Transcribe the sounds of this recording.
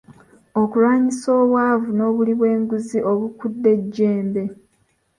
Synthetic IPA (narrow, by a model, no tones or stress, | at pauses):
o̞kulwaːɲiso̞ːβwavuno̞ːβuliβwe̞ːŋɡuziʔo̞βukudːe̞ɟːe̞ːmbe̞